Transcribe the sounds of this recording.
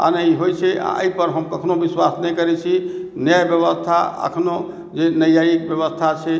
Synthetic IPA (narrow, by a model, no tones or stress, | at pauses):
a̰nəiɦojt͡ʃʰɛa̰ə̰jpəɾɦəmkəkʰnobiswasnɛjkəɾɛt͡ʃʰinəjbjəβəst̪ʰaə̰kʰno | d͡ʒenəjaikbjəβəst̪ʰat͡ʃʰɛ